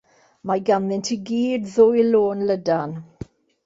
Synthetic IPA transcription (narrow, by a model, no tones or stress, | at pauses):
maɡanðɪntʰiɡiːdðʊjloːnlədan